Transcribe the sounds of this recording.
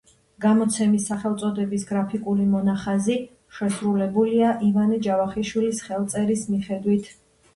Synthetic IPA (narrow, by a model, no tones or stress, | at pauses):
ɡamɔt̪sʰɛmisːaχɛlˠt̪sʼɔd̪ɛbisɡɾapʰikʼulimɔnaχazi | ʃɛsɾulɛbuliaʔivanid͡ʒavaχiʃwilisχɛlˠt̪sʼɛɾismiχɛd̪wit̪ʰ